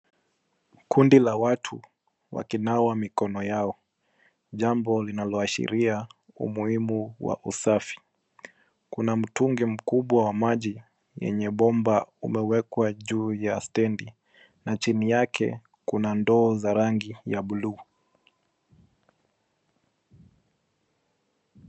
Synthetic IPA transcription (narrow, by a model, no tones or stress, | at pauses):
kʰundilawatʰṵ | wa̰kinawamikɔnɔjaɔ | ʄambɔlinalɔaʃḭɾia | ṵmuhimuwa̰ʔṵsafi̥ | kunam̩tuŋɡɛm̩kuɓwawamaʄi | jɛ̰ɲɛɓɔmbaṵmɛwɛkwaʄuːjastɛndi | nat͡ʃinijakʰɛ̰ | kunandɔːzaɾaŋɡijaɓuluː